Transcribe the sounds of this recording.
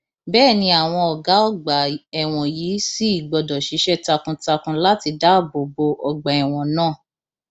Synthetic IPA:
bɛː˦˨nĩ˧˦a˨w̃ɔ̃˧ɔ˨ɡa˨˦ɔ˦˨ɡ͡ba˨ɛ˨w̃ɔ̃˨ji˨˦si˦i˦˨ɡ͡bɔ˨dɔ˨ʃi˨˦ʃɛ˦ta˧kũ˧ta˧kũ˧la˦ti˧da˦˨bo˨bo˧ɔ˧ɡ͡ba˨ɛ˨w̃ɔ̃˨nãː˦˨

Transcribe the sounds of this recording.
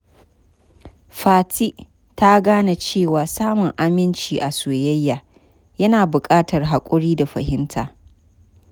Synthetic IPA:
ɸaː˨ti˦ʔ | ta˦ɡaː˦na˨t͡ʃeː˦˨waː˨saː˦mʊ˨ŋʔa˦mɪ˦nt͡ʃiː˨ʔa˨soː˨jɐ˦jːaː˨ | jɐ˦naː˨bʊ˨kʼaː˦tɐ˨rɦa˨kʷʼʊ˦ɽiː˦da˨ɸɐ̰˨hɪ˦ntʰa̰ː˨

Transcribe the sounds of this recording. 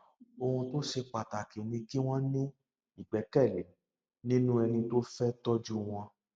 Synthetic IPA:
o˧hũ˧to˦ʃe˧k͡pa˨ta˨ki˨nĩ˧ki˦w̃ɔ̃˦nĩ˦ | i˨ɡ͡bɛ˨˦kɛ˦˨le˨ | nĩ˦nũ˦ɛ˧nĩ˧to˦fɛ˦tɔ˦d͡ʒu˦w̃ɔ̃˧

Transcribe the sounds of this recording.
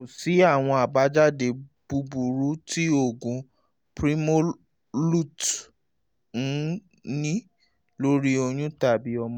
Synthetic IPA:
o˨si˨˦a˦˨w̃ɔ̃˧a˨ba˨˦d͡ʒa˦˨de˨b̥u˧bu˨ɾu˨˦tʰi˦o˦˨ɡũ˨ | pɾi˦mo˦ | lu˦˨t | n̩˨˦ | nĩ˦ | lo˦ɾi˦o˧j̃ũ˦ta˦˨bi˨˦ɔ˧mɔ̃˦

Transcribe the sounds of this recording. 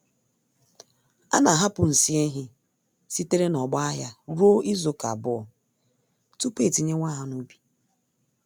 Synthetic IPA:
a̰˦na˨ɦa˦pʊ˨n̩˨si˦e˦ɦɪ˦ | si˦te˦ɾe˦nɔ˨ɡ͡ba˦a˦ja˦ɾu˦o˦i˦zo˦ka̰˨bʊ˦ɔ˨ | tu˦pe˦˨ti˨ɲe˦ŋʷa˦ɦa˨nu˦bi̥˨

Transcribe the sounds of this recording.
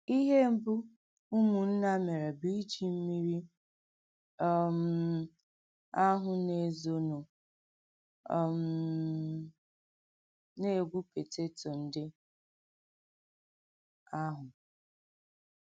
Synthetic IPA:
i˦ɦe˦m̩˦bʊ˦ | u˦mu˨n̩˦na˦me˨ɾe˨bi˦d͡ʒi˨m̩˦mi˦ɾi˦ | ɔ˦m̩˨ | a˦ɦʊ˨ne˨zo˨no˨ | m̩˨ | ne˦˨ɡʷu˦pe˨te˦to˨n̩˦dɪ˦ | a˦ɦʊ˨

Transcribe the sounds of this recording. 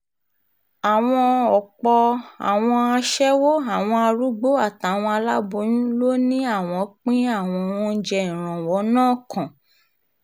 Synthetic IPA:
a˨w̃ɔ̃˧ɔ˨k͡pɔ˧a̰˨w̃ɔ̃˧a˧ʃɛ˦wo˦a˨w̃ɔ̃˧a˧ɾu˦ɡ͡bo˦a˦˨ta˨˦˨w̃ɔ̃˧a˧la˦bo˧˦jũ˦lo˦nĩ˦a˦˨w̃ɔ̃˧k͡pĩ˦a˦˨w̃ɔ̃˧w̃ɔ̃˦d͡ʒɛ˧ĩ˨ɾ̃ã˨wɔ˨˦nãː˦˨kʰã˨

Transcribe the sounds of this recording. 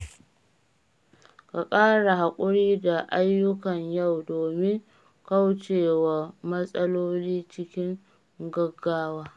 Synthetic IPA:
ka˨kʼaː˦ɽa˨ha˨kʷʼʊ˦ɽiː˦da˨ʔa˦jːʊ˦kɐ˨ɲja˦˨wdoː˨mɪ˦ŋ | ka˦wt͡ʃeː˨wa˨mɐ˦sʼɐ˦loː˦liː˦t͡ʃɪ˦kʲɪ˦ŋ | ɡɐ˦ɡːaː˦waː˦

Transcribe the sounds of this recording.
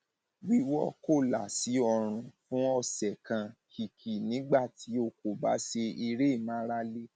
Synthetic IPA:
wi˦wɔ˦ko˦˨la˨si˨˦ɔ˧˨ɾ̃ũ˨fũ˨˦ɔ˦˨sɛ˨kã˧kʰi˨kʰi˨nĩ˨˦ɡ͡ba˦˨tʰi˨˦o˧˨ko˨ba̰˨˦ʃe˧i˧ɾe˦˨mã˨˦ɾa˧le˦

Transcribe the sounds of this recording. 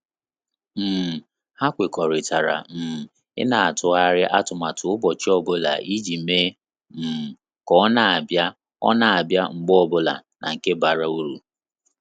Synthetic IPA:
m̩˨ | ha˦kʷe˨kɔ˨ɾɪ˨ta˨ɾa̰˨m̩˨ | ɪ̰˦na˨a˨tʊ˨a˦ɾɪ˦ʔa˦tʊ˨ma˨tʊ˨ʊ˦bɔ˨t͡ʃi˦ɔ˦bʊ˦la̰˨ʔi˦d͡ʒi˨me˦ | m̩˨ | kɔ˦na˨ba˦ | ɔ̰˦na˨a˨bja˦ŋ͡m̩˨ɡ͡bɔ˦bʊ˦la̰˨nʔa̰˨ŋ̩˨ke˦ba˨ɾa˦u˦ɾu˨

